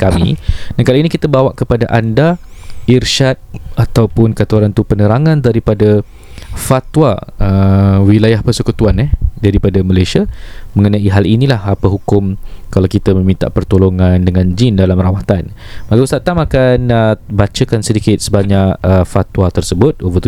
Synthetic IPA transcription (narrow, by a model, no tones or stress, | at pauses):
kamḭdankalinikit̪əbawaʔkəpadaʔandairʃat̪̚at̪awpʊnkat̪uaɾant̪upənəɾaŋãndaɾipada | fat̪waəwilajahpərsəkut̪uanɛhdaɾipadaməlajsiamə̃ŋənãiɦalinilahapəɦukʊmkalawkit̪əmə̃mĩnt̪a̰ʔpərt̪oloŋandəŋãnd͡ʒindalamrawat̪anmaɡaust̪aʔt̪amakanəbat͡ʃəkansədikɪt̪̚səbaɲaʔəfat̪wat̪ərsəbʊt̪̚ovət̪u